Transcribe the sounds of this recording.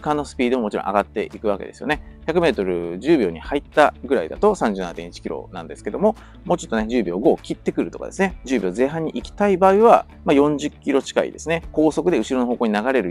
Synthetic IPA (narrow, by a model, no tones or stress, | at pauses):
kanːo̞sɨ̥pʲiːd̪o̞mo̞t͡ɕiɾõ̰ʔa̰ɡat̪ːe̞̰ʔikɯ̟βake̞d̪e̞sɨjo̞ne̞çakɯ̟me̞ːt̪o̞ɾɯ̟ʑɨːbʲo̞ːɲihait̪ːaɡɯ̟ɾaid̪a̰t̪o̞sãɲ̟d͡ʑɨːnaat̪ẽɲ̟it͡ɕi̥kʲiɾo̞̰nã̰nd̪e̞sɨ̥ke̞d̪o̞mo̞ | mo̞ːt͡ɕo̞t̪ːo̞ne̞d͡ʑɨːbʲo̞ːɡo̞ːkʲit̪ːe̞kɯ̟ɾɯ̟t̪o̞kad̪e̞sɨne̞d͡ʑɨːbʲo̞ːze̞ːɦãɲ̟ːiʔikʲi̥t̪aibaːiβa | majõ̞ɲd͡ʑɨkʲːiɾo̞t͡ɕi̥ka̰ḭd̪e̞sɨne̞ko̞ːso̞kɯ̟d̪e̞ɯ̟ɕiɾo̞no̞ɦo̞ːko̞ːɲinaɡaɾe̞ɾɯ̟